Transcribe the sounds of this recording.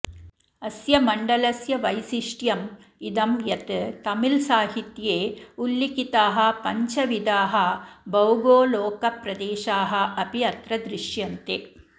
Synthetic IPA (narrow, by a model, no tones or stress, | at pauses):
ɐsjɐmɐɳɖɐlɐsjɐʋɐjsiʂʈjɐm | id̪ɐmjɐt̪ɨt̪ɐmɪlsaːɦit̪jeːulːikit̪aːɦɐ̆pɐɲt͡ʃɐʋid̪aːɦɐbɐwɡoːloːkɐpɾɐd̪eːʃaːɦɐ̆ʔɐpiɐt̪ɾɐd̪ɾɪʂjɐnt̪e